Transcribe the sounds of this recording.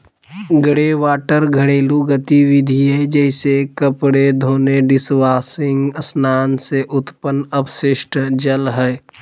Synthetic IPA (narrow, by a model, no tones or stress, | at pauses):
ɡəɽeʋaːʈəɾɡʱəɽeːluɡət̪iʋɪd̪ʱiɦɛd͡ʒɛːɪsekəpɽed̪ʱoːneɖɪswaːsɪ̃ŋɡəsnaːnseʔʊt̪pənəpʃɪʃʈd͡ʒəlɦɛː